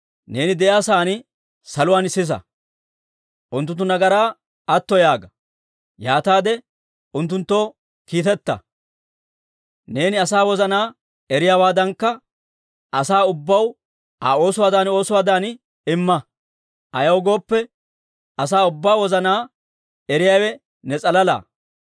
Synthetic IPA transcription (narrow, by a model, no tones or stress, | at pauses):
ne̞ːnɪd̪ɛʔjaːsaːn | sɐlʊwaːnsɪs̬ɐ̰ | ʔʊnt̪ːʊnt̪̬ːʊnɐɡɐɾaː | ɐt̪ːɔjaːɡɐ | jaːt̪aːd̪ɛ | ʊnt̪̬ːʊnt̪ːo̞ː | kiːt̪ɛt̪ːɐ̰ | ne̞ːnɪɐsaːwɔzɐnaː | ɛɾɪjaːwaːd̪ɐŋkːɐ | ɐsaːʊbːɐw | a̰ːo̞ːsʊwaːd̪aːno̞ːsʊwaːd̪aːn | ɪmːɐ | ɐjɐwɡo̞ːpːɛ | ɐsaːʊbːaːwɔzɐnaː | ɛɾɪjaːwɛ | nɛt͡sʼɐlɐla̰ː